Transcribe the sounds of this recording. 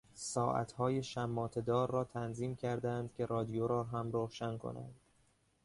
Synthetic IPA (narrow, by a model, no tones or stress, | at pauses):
sɒːʔæ̰t̪hɒːje̞ʃæmːɒːt̪ʰe̞d̪ɒːɾːɒːt̪ʰænziːmcʰæɾd̪ænd̪̚cʰʲe̞ɾɒːd̪ijoɾɒːɦæmɾoʃænkʰo̰næ̰nd̪̥